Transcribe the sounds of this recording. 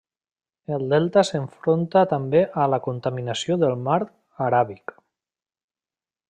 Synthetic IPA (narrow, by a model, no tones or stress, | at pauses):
elˠd̪ɛlˠt̪asəɱfɾont̪at̪ambeʔəlakunt̪aminasioðəlˠmaɾ | aɾaβik